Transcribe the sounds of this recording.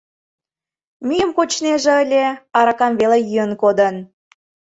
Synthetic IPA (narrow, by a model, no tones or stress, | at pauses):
myjəmkot͡ɕneʒeəlʲeɑɾɑkɑmβelejyjənkod̪ən